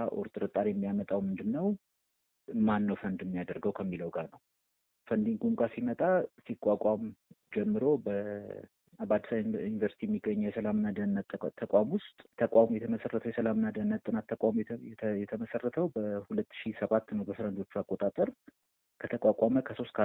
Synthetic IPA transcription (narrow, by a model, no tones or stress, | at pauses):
ʔo̰ɾt̪ʼɨɾɨt̪ʼːaɾjɛmːijamət̪ʼawmɨnd̪ɨnːəw | manːəwfənd̪ɨmːijad̪əɾɡəwkʰəmːiləwɡanəw | fənd̪iŋɡumkʼasimət̪ʼasikʼːakʼam | d͡ʒɛmːɨɾo̞bə | abad̪ːəsajɪnivəɾsit̪iɛmːiɡəɲːjɛsəlamɨnːad̪ənːt̪t̪ʰːəkʼamwʊst̪ʼt̪ʰəkʼamujɛt̪ʰəməsərːət̪ʰəwjɛsəlamɨnːad̪ənːət̪ʼːɨnat̪ʰːəkʼamɛjɛt̪ʰəməsərːət̪ʰəwbəhulət̪ːʃisəβat̪ːnəwbəfɨɾənd̪o̞t͡ʃːuakʼːot̪ʼat̪ʼəɾ | kʰət̪ʰəkʼakʷʼaməkʰəso̞st̪kʰa